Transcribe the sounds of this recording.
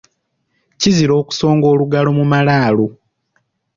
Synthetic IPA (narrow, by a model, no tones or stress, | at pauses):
ciziɾo̞ːku̥so̞ːŋɡo̞ːluɡalo̞mumalaːlo